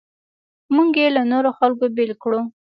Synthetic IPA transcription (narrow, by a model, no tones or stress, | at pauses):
muŋɡjelanoɾoxalkobɪlkɽu